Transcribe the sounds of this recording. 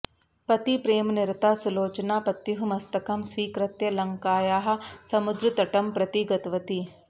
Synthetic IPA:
pɐt̪ipɾeːmnɪɾt̪aːsuloːt͡ʃnaːpɐt̪jiɦumɐst̪ɐkɐmswiːkɾɐt̪jɐlɐ̃ŋkaːjaːɦɐ̆sɐmʊd̪ɾɨt̪ɐʈɐmpɾɐt̪iɡɐt̪ʋɐt̪i

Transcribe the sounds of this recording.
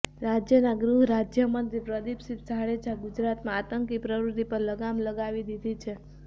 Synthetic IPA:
ɾad͡ʒjənaɡɾuɦɾad͡ʒjəmənt̪ɾipɾəd̪ipʃipsaɽed͡ʒʰaɡud͡ʒɾat̪mãat̪əŋkipɾəʋɾut̪ipəɾləɡamləɡaʋid̪id̪ʱit͡ʃʰe

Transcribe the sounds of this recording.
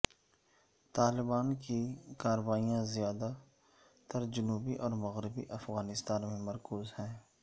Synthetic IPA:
t̪aːlɪbaːnkikaːɾəwaːijãzɪjaːd̪a | t̪ɐɾd͡ʒʊnuːbiʔɔːɾmɐɣɾɪbḭʔɐfɣaːnɪst̪aːnmẽmɐɾkuːzhɛ̃ː

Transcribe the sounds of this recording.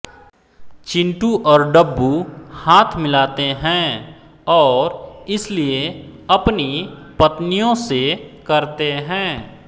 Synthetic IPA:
t͡ʃɪ̃ɳʈuʔɔːɾɖəbːuhaːt̪ʰmɪlaːt̪eɦɛ̃ː | ɔːɾɪslieɐpni | pət̪nijõsekɐɾt̪eɦɛ̃ː

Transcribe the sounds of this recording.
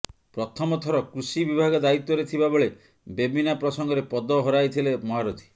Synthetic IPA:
pɾɔt̪ʰɔmɔt̪ʰɔɾɔkɾusibibʱaɡɔd̪ait̪ːɔɾet̪ʰibaboɭe | bebinapɾɔsɔŋɡɔɾepɔd̪ɔɦɔɾajt̪ʰilemɔɦaɾut̪ʰi̥

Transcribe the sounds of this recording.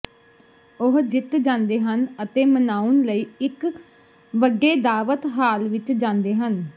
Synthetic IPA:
ʊɦd͡ʒɪt̪d͡ʒãːnd̪eːɦənət̪eːmənaːʊnləiːɪk | ʋəɡeːd̪aːʋət̪ɦaːlʋɪt͡ʃd͡ʒãːnd̪eːɦən

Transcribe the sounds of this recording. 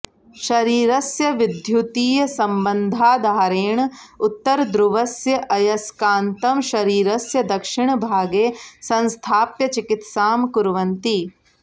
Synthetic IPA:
ʃɐɾiːɾɐsjɐʋɪd̪ʱjut̪iːjɐsɐmbɐnd̪ʱaːd̪ʱaːɾeːɳ̃ʊt̪ːɐɾd̪ɾuʋɐsjɐʔɐjɐskaːnt̪ɐmʃɐɾiːɾɐsjɐd̪ɐkʃɪɳ̃bʱaːɡeːsɐ̃nst̪ʰaːpjɐt͡ʃikɪt̪saːmkuɾʋɐnt̪i

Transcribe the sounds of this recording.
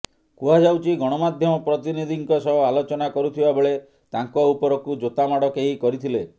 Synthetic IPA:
kuɦad͡ʒawt͡ʃʰiɡɔɽ̃ɔmad̪ʱjɔmɔpɾɔt̪inid̪ʱiŋkɔsɔɦɔalot͡ʃɔnakɔɾut̪ʰibabɔɭe | t̪aŋkɔupɔɾɔkud͡ʒot̪amaɽɔkeɦikɔɾit̪ʰile

